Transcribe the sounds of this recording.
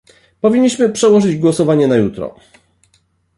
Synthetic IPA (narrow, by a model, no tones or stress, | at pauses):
pɔvʲiɲːiɕmɘpʂɛwɔʐɘd͡ʑɡwɔsɔvaɲɛnajut̪ɾɔ̰